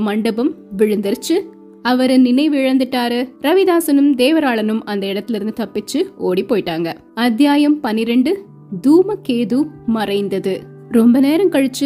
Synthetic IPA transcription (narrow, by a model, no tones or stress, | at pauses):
mɐɳɖɐbɐmʋɪɻɯnd̪ɐɾt͡ʃːɯ | ɐʋɐɾɯnɪnɐɪʋɪɻɐnd̪ɯʈːaːɾɯɾɐʋɪðaːsɐnɯmd̪eːʋɐɾaːɭɐnɯmɐnd̪ɐɪɽɐt̪ːɪlɪɾɯnd̪ɯt̪ɐpːɪt͡ʃːɯoːɽipːoːjɪʈːaːŋɡɐ | ɐd̪jaːjɐmpɐnɪɾɛɳɖɯ | d̪uːmɐkeːðumɐrɐɪnd̪ɐðɯ | ɾɔmbɐneːɾɐmkɐɻɯt͡ʃːɯ